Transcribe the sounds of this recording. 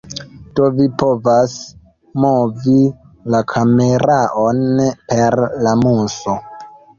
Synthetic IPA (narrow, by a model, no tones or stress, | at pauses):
d̥ovipo̞vas | movi | lakʰameɾaʔonpe̞ɾlamuso